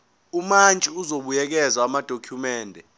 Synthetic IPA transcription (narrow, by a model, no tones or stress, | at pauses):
umant͡ʃʼiuzoɓujɛk̬ɛzaamad̥ʱokʰjumɛːndʱɛ